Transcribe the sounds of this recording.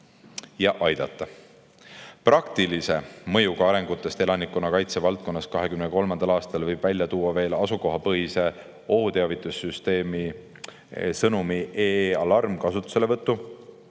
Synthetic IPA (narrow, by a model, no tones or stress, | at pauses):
jɑʔɑjd̪̥ɑt̪ːˑɑ | prɑkt̪ilise̞mɤ̞juɡɑɑɾe̞ŋɡ̥ut̪ˑːe̞st̪e̞lɑnikːˑonːɑkɑjt̪se̞vɑlt̪̚ko̞nːɑskɑɦe̞kymnəko̞lmɑnd̪̥ɑlɑːst̪ɑlvɤjb̥vælʲjɑt̪uːɑve̞ːlɑsuko̞ɦɑpɤɦise̞ | o̞hut̪e̞ɑvit̪ːˑusːyst̪e̞ːmi | sɤnumiʔeɑlɑrmkɑsut̪ːˑu̥se̞le̞vɤt̪ːu